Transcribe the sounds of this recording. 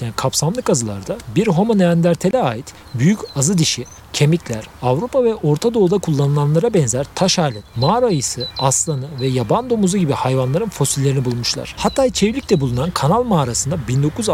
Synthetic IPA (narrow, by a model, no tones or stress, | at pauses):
nkʰapsamlˠɯkazɯlˠa̰ɾd̪abiɾɦo̞moneænd̪ʲæɾt̪ʰe̞lʲɛaːjit̪ | byjycazɯd̪iʃi | cʰe̞miclʲæɾavɾupʰavɛʔo̞ɾt̪ʰad̪o̞ːd̪akʰulˠːanɯlˠanlˠaɾabɛnzæɾt̪ʰaʃaːlʲɛnmaːɾajɯsɯaslˠanɯvɛjaband̪o̞muzuɟibihajvanlˠaɾɯnfo̞silʲːe̞ɾinibulˠmuʃlˠa̰ɾ̥hat̪ʰːaːt͡ʃʰevlʲic̚lʲɛbulˠunankʰanalˠmaːɾasɯnd̪abind̪o̞kʰuz